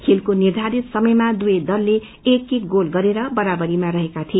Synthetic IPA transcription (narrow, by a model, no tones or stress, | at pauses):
kʰilkonird̪ʱaɾit̪sʌmʌjmad̪ujʌjd̪ʌlːe | ekːiɡolɡʌɾeɾʌbʌɾabʌɾimaɾʌɦekat̪ʰie